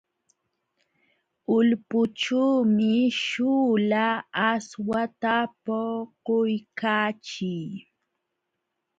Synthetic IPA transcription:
ʊlpʊʈ͡ʂuːmɪʃuːlaːswat̪apoqʊjkaːt͡ʃɪj

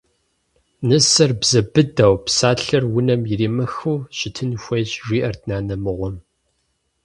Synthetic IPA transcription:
nɨsɐrbz̥ɐbɨdɐwpsaːɬɐrwʊnɐmjɪriːmɐxuːɕɪtʰɨnxʷejʑʒʷiːʔɐrdnaːnɐmɨʁʷɔm

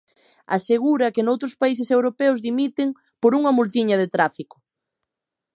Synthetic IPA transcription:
a̰seɣuɾɐkenowt̪ɾʊspais̬esewɾopɛʊzðimit̪ɪŋ | poɾuŋɐmult̪̬iɲɐðet̪ɾafikʊ̥

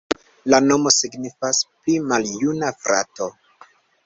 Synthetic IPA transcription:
lano̞mo̞siɡnifasplimaljunafɾʔa̰to̞

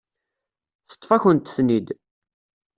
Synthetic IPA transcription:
θə̥t̪ˤːfæçənt̪θnid̪

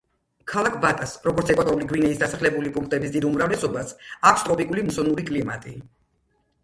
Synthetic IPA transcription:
kʰalˠakʰvat̪ʼasɾɔɡɔɾt̪sʰɛkʼwat̪ʼɔɾuliɡwinɛisd̪asaχlɛbulipʼuŋk̚ʰt̪ʼɛbisd̪id̪umɾavlɛsɔbasakʰst̪ʼɾɔpʼikʼulimsɔnuɾikʼlima̰t̪ʼi

